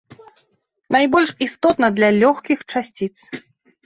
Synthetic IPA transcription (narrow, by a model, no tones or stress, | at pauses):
najbɔlʲʂist̪ɔt̪nɐd̪lʲɐlʲɔxkʲixt͡ʂasʲt͡sʲit̪s